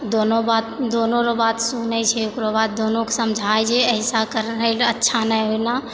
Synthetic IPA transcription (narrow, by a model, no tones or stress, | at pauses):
d̪onobat̪̚d̪onoɾobat̪sunɛt͡ʃʰɛukɾobat̪̚d̪onoke̥səmd͡ʒʱajd͡ʒʰeəɪsakəɾɾələtːʃʰanəɦojna